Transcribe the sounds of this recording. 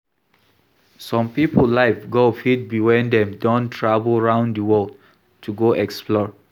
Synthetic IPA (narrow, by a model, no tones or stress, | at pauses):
sɔ̃mpipəllaɪfɡofit̚biwãndɛ̃mdɔ̃ntʰɹavəlˠɹãʊ̃ndəwɔld | tʰuɡoʔɛksplɔɹ